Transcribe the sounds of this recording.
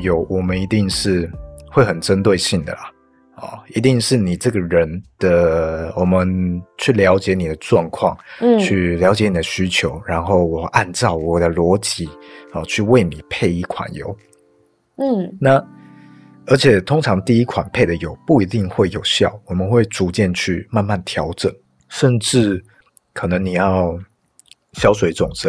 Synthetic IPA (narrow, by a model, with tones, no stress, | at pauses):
jo˨˥ʊwɔ˨˩mə˦ni˧˥t̪i˥˧ŋʂɻ̩˥˩xwe˥˩ɪxə˨˩nʈ͡ʂə˦nt̪we˥˧ɪɕi˥˩ŋd̪ə̰˩lɐ˨˩ | ɔ̰˨˩i˧˥t̪i˥˧ŋʂɻ̩˥˩ni˨˩ʈ͡ʂɤ˥˩ɡə˩ɻə˧˦nd̪̥ə˨wɔ˨˩mə˧˦nt͡ɕʰy˥˩ljɑ˧˥ʊt͡ɕjɛ˨˧˦ni˨˩d̪ə˦ʈ͡ʂwɑ˥˧ŋkʰwɑ˥˨˩ŋ˥t͡ɕʰy˥˩ljɑ˧˥ʊt͡ɕjɛ˧˦ni˨˩d̪ə˦ɕy˥t͡ɕʰjo˧˥ʊɻa˧˥nxo˥˩ʊwɔ˨˩ʔa˥˧nt͡sɑ˥˩ʊwɔ˨˩d̪ə˦lwɔ˧˥t͡ɕi˨˦ə˨t͡ɕʰy˥˧we˥˩ɪni˨˩pʰe˥˧ɪi˥˩kʰwa̰˨˩njo̰˨˩˦ʊ˥˩ | na˥˨˩ | ə˞˧˥t͡ɕʰjɛ˨˩t̪ʰʊ˥ŋʈ͡ʂʰɑ˧˥ŋt̪i˥˧i˦˥kʰwa˨˩npʰe˥˩ɪd̪ə˩jo˨˩ʊpu˥˩i˧˥t̪i˥˧ŋxwe˥˩ɪjo˨˩ʊɕjɑ˥˩ʊwɔ˨˩mə˨˦nxwe˥˩ɪt͡su˧˥t͡ɕjɛ˥˧nt͡ɕʰy˥˩ma˥˧nma˥˩nt̪ʰjɑ˧˥ʊʈ͡ʂə̰˨˩n | ʂə˥˧nʈ͡ʂɻ̩˥˩ | kʰɤ˨˩nə˧˦ŋni˨˩jɑ˥˩ʊ | ɕjɑ˥ʊʂ̬we˨˦ɪʈ͡ʂʊ˨˩ŋt͡sə˨˦